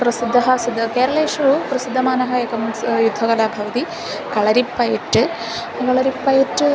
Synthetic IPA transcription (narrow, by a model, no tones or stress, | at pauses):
pɾɐsid̪ʱːɐɦɐ̆sid̪ʱːɐkeːɾɐleːʃɐʋupɾɐsid̪ʱːɐmaːnɐɦɐeːkɐmsjud̪ʱːɐɡɐlaːbʱɐʋɐt̪i | kɐɭɐɾipːɐjɐʈːɨ | kɐɭɐɾipːɐjiʈː